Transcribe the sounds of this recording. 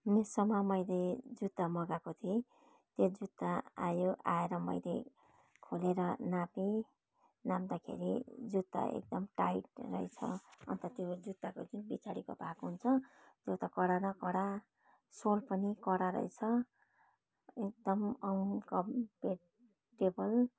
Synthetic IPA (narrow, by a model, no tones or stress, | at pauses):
mesʌmamʌjled͡zut̪ːamʌɡakot̪ʰe | t̪jod͡zut̪ːaa̰joʔa̰eɾʌmʌ̰jle | kʰoleɾʌnape | namd̪akʰḛɾḭd͡zut̪ːa̰ḛk̚d̪ʌmʈajʈrʌ̰jt͡sʰʌ̰ʌ̰nt̪ʌt̪jod͡zut̪ːakod͡zunbit͡saɽiko̰bʱakoɦunt͡sʰʌ | t̪jot̪ʌkʌɽanʌkʌɽa | solpʌnikʌɽaɾʌ̰jt͡sʰʌ | ek̚d̪ʌmʌnkʌmpe | ʈebʌl